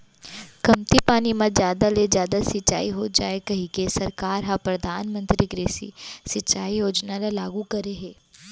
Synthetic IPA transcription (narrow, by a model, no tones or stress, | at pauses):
kɐmt̪ipaːnimɐd͡ʒjaːd̪alezjaːd̪asɪtːt͡ʃa̰ːiɦod͡ʒa̰ːekɐɦĩkesɐɾkaːɾɦãpɾɐd̪ʱaːnmə̃nt̪ɾiɡɾeːsḭsɪtt͡ʃːaːijoːd͡ʒnalalaːɡukɐɾeɦeː